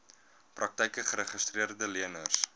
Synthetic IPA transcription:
prʔɐk̚tɛjkəχəɾəχəstriərdəliənərs

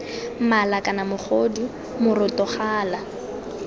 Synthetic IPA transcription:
malakʼanamʊχʰodi | mʊrʊtʼɔχaːla

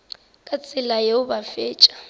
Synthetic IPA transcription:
kʼat͡sʼɪlajeʊbafeːt͡ʃʼḁ

